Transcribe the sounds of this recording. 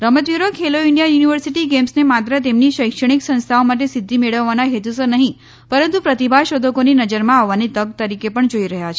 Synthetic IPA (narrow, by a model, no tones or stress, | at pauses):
ɾəmət̪ʋiɾokʰeloiɳɖijajuniʋəɾsiʈiɡemsnemat̪ɾət̪emniʃəjkʂəɳ̃iksə̃nst̪ʰaomaʈ̬esɪd̪ʱːimeɭəʋːanaɦet̪usənəɦĩ | pəɾənt̪upɾət̪ibʱaʃod̪ʱəkoninəd͡ʒəɾmãaʋːanit̪əɡ̚t̪əɾikepəɳd͡ʒoiɾəɦjat͡ʃʰe